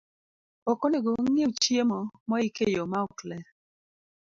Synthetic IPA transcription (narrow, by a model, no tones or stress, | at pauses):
ɔkɔneɡoŋet͡ʃjemɔmɔɪkejɔmaɔklɛ